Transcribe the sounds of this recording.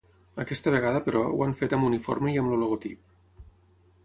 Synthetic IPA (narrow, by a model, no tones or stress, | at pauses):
əkɛst̪əβ̞eɣ̞aðəpəɾɔw̰aɱfet̪əmbunifo̰ɾməiəmluluɣot̪ip̚